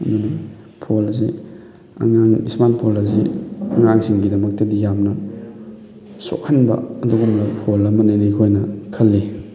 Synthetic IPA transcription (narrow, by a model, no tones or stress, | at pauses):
ɐmɐni | pʰolɐzi | ɐ̰ŋaŋismanpʰolɐzḭɐŋaŋsiŋɡidɐmɐk̚tɐdijamnɐ | so̰kʰɐnbɐ̰ɐduɡɐmlɐpʰolɐmɐnenɐkʰojnɐkʰɐlːi